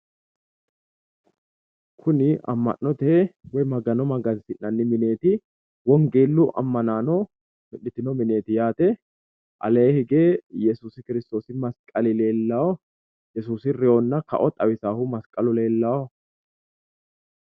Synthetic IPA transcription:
kʰʊnɪɐ̰mːɐ̰nːɔt̪ɛwɔjmɐɡɐnɔmɐɡɐnsɪnːɐnːɪmɪne̞ːt̪ɪ | wɔŋɡe̞ːlːʊʔɐ̰mːɐnaːnɔ | mɪᶑɪt̪ːɪnɔmɪne̞ːt̪ɪjaːt̪ɛ | ʔɐ̰leːhɪɡeːjɛsuːsɪkɪɾɪst̪o̞ːsɪmɐskʼɐlɪle̞ːlːaɔ | jɛsuːsɪrɪonːɐkɐ̰ʔɔt̪ʼɐwɪsaːhʊmɐskʼɐlʊle̞ːlːaːɔ

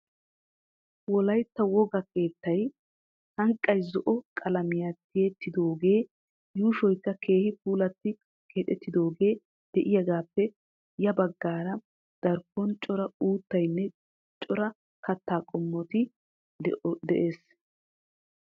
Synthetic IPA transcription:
wɔlɐjt̪ːɐwɔɡɐke̞ːt̪ːɐj | hɐŋkʼːɐjzɔʔɔkʼɐlɐmɪjat̪ːɪet̪ːɪd̪o̞ːɡe̞ː | juːʃɔjkːɐkʰe̞ːhɪpuːlɐt̪ːɪ | kʰeːt̪ʼɛt̪ːɪd̪o̞ːɡe̞ː | d̪̥ɛʔɪjɐɡaːpːɛ | jɐbɐɡːaːɾɐ | d̪̥ɐɾkːɔnt͡ʃʼɔɾɐuːt̪ːɐjnːɛ | t͡ʃʼɔɾɐ | kɐt̪ːaːkʼɔmːɔt̪ɪ | d̪ɛʔe̞ːs

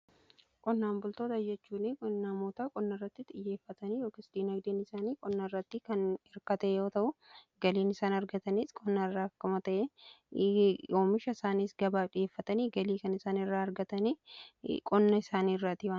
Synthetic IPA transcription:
kʼɔnːaːmbʊlt̪o̞ːt̪ɐd͡ʒɛt͡ʃːuːnɪkʼɔnːaːmoːt̪aːkʼɔnːɐrːɐt̪ːɪt̪ʼɪjːe̞ːfːɐt̪ɐniːjo̞ːkɪsᶑiːnɐɡd̪eːnɪsaːniːkʼɔnːɐɪrːɐt̪ːɪkɐnɛɾkɐt̪ɐʔɛjo̞ːt̪ɐʔʊ | ɡɐliːnɪsaːnɐɾɡɐt̪ɐniːskʼɔnːɐrːaːkːɐmɐt̪ɐʔɛ | ʔoːmɪʃɐɪsaːniːsɡɐbaːᶑɪjeːfːɐt̪ɐniːɡɐliːkɐnɪsaːnɪrːaːɐɾɡɐt̪ɐniːkʼɔnːɐɪsaːniːrːaːt̪ɪwa

